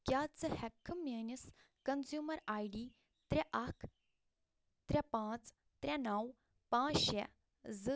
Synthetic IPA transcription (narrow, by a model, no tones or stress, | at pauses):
kjaːt͡sɨhɛkʰːɐmenis | kɐnzjuːmɐɾaːjɖiː | t̪ɾʲɛʔɐkʰ | t̪ɾʲɛpãːt͡s | t̪ɾʲɛnɐw | pãːʃɛ | zɨ